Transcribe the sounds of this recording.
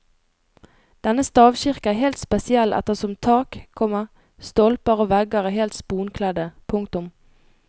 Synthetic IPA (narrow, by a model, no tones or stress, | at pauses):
d̪̥ɛnəst̪ɑːʋʃɪʁkəæːɦeːlt̪spɛsɪɛlʔɛ̰t̪əʁsɔmt̪ʰɑːkʰːɔməʁ | st̪ɔlpəʁoːʋɛɡəʁæːheːlt̪spuːnkʰlɛd̪əpʰʊŋk̚t̪ʊm